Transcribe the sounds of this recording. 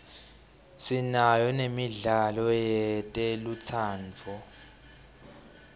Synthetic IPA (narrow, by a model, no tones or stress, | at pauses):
sinajɔnemiɮalɔjɛtʼelut͡sʰaːnt͡fʰɔ